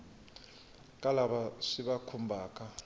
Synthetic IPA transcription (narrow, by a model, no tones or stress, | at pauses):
kʼalabaʂiβakʰumbʱaːkʼa